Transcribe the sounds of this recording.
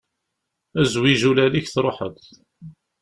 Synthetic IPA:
æzwiʒulæliçθɾˤoħə̰t̪

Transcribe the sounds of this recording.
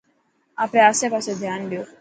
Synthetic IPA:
apɽẽəsepased̪ʱjanɖjo

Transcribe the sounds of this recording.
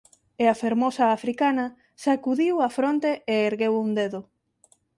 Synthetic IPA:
eafeɾmosɐːfɾikanɐ | sakuðiwafɾont̪eʔeeɾɣewund̪eðʊ

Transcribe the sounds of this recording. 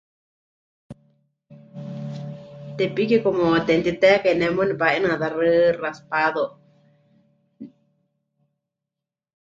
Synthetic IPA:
t̪epikikomõt̪ent̪it̪ekenẽmõnĩpaʔinãðarɨraspaðo

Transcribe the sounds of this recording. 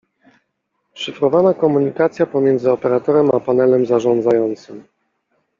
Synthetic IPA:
ʂɘfɾɔvanakɔmuɲikat̪sʲjapɔmʲjɛnd̪zɘɔpɛɾat̪ɔɾɛmapanɛlɛmzaʐɔ̃nd̪zajɔnt̪sɘm

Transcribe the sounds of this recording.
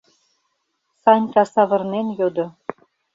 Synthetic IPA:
sɑnʲkɑsɑβɤ̆rnenjod̪ɤ̆

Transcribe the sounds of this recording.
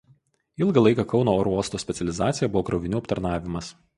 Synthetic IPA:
ɪlˠɡɐlˠɐɪkɑkɒʊnoːoːɾuɔst̪oːsʲpʲɛt̪sʲɛlʲɪzɑːt̪sʲɪjɛbʊʋoːkɾɐʊʋʲɪnʲuːɐpt̪ɐɾnɑːʋʲɪmɐs

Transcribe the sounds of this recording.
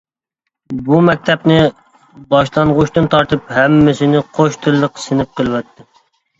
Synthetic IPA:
bumɛk̚ʲt̪ʰɛpnɪ | bɑʃlˠɑɴʁʊʃt̪ɨnt̪ʰɑɾt̪ɨphɛmːɪsɪnɪqʰoʃt̪ʰɨlːəqsɪnɪp̚qəlˠɨwɑt̪ʰːɪ

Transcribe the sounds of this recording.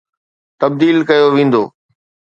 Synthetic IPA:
t̪ɐb̚d̪iːlkɐjoʋẽːn̆d̪oː

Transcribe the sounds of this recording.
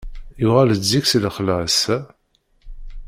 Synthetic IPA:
juʁæləd͡zːiksləχlæs

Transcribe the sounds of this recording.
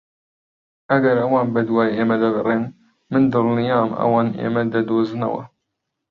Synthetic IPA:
ɐɡɐɾɐwɑːnbɐd̪wɑːjeːmɐd̪ɐbɨreːn | mɨnd̪ɨlnijɑːmɐ̰wɑːnḛːmɐd̪ɐd̪oːzɨnɐ̰wɐ̰

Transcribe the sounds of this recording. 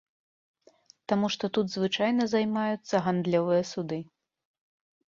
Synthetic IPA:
t̪amuʂt̪ɔt̪ud̪zvɨt͡ʂajnɐzajmajut̪sːɐɣand̪lʲɔvɨjɐsud̪ɨ

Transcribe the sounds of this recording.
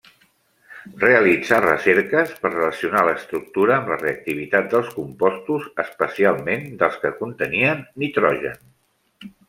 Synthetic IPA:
reəlid͡zarə̰seɾkəspəɾrələsiunaləːst̪ɾuk̚t̪uɾəːmləreək̚t̪iβ̞it̪at̪̚d̪əlˠskumpɔst̪uzəspəsialˠmend̪əlˠskəkunt̪əniənːit̪ɾɔʒə̰n

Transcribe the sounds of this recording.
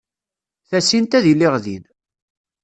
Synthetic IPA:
θæsint̪æðilːɪʁðḭn

